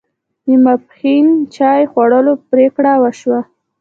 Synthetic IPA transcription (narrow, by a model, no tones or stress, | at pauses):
imaphint͡ʃɑjxwaɽəlopɾekɽawəʃwa